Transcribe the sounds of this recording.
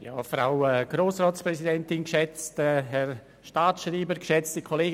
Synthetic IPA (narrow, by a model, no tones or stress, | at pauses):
jɑ̰ːfɾa̰ʊɛɡ̥ɾoːsrɔːtsprɛsidɛntɪnkʃɛt͡stɛɦɛr | ʃtaːtʃriːbəɾkʃɛt͡stikʰɔleːɡ